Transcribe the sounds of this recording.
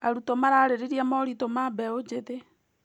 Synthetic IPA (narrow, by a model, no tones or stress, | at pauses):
aɾutɔmaɾaɾeɾiɾiamɔɾitɔmabɛod͡ʒeðe